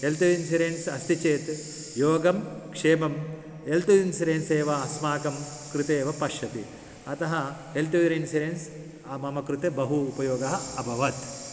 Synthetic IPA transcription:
ɦelt̪uinsiɾensɐst̪it͡ʃeːt̪ | joːɡɐmkʂeːmɐm | elt̪uinsiɾeːnseːʋɐːsmaːkɐm | kɾut̪eːʋɐpɐʃjɐt̪i | ɐt̪ɐɦɐɦelt̪uʋiɾinsiɾeːns | ɐmɐmɐkɾut̪ebɐɦuːpɐjoːɡɐɦɐɐbʱɐʋɐt̪

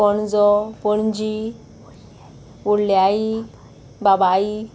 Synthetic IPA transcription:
ɔnd͡zɔpəɳd͡ʑi | uɽljai | babai

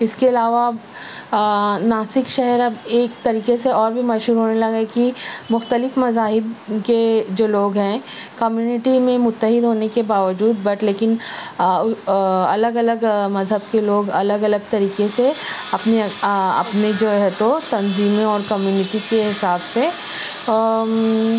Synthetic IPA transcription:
ɪskeɐlaːʋab | naːsɪkʃɛɦɛɾɐbeːk̚t̪ɐɾiːkeseɔːɾbʱimɐd͡ʒɦuːɾɦoːnelɐɡekimʊxt̪əlɪfmɐzaːɦɪbked͡ʒoːloːɡɦɛ̃ːkɐmjuːnɪʈimẽmʊt̪ːəɦɪd̪ɦoːnekebaːʋəd͡ʒuːd̪bɐʈleːkɪn | ɐləɡɐləɡmɐzɦəb̚keloːɡɐləɡɐləɡ̚t̪ɐɾiːkeseɐpneɐ̰pned͡ʒoːɦɛt̪ot̪ɐnziːmeɔːɾkɐmjuːnɪʈikeɦɪsaːbse

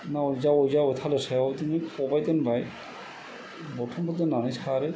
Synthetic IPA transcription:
naojzaojzaojt̪ʰalesɛɔwt̪iniɔbajt̪ɛnbaj | bɔʈʰɔmbʰɔt̪enanisʰaɾe

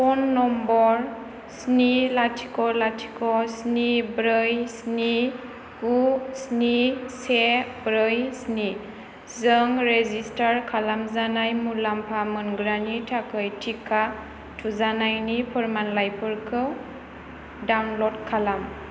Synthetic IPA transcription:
pɔnːɔmbɔɾ | snilatʰi̥kɔlatʰi̥kɔsnibɾɯjsni | ɡusnisebɾɯjsni | zɯŋɾezistaɾkʰalamzanajmulampʰamɯnɡɾanitʰakʰɯjtʰikʰa | tʰuzanajnipʰɔɾmanlajpʰɯɾkʰɯw | dawnlɔdkʰalam

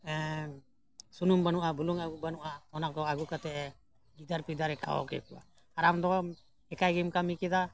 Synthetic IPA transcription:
sunumbanuʔabulɔŋaɡubanuʔaɔnakɔaɡukat̪ɛʔ | ɡid̪aɾpid̪aɾɛkʰa̰ɔ̰kɛ̰kuʔa̰ː | ɾamd̪ɔ | ɛkajɡimkamikɛd̪a

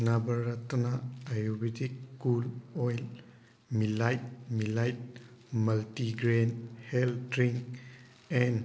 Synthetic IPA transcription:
nabəɾːatnaajubetikːulɔjl | milajt̚milajt̚maltiɡɾenheldɾiŋk̚ | ɛn

